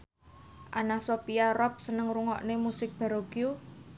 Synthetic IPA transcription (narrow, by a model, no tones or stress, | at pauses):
ʔanasopiarɔp̚sənəŋruŋɔ̰ʔnemusɪk̚b̥a̤ɾoɡ̥iu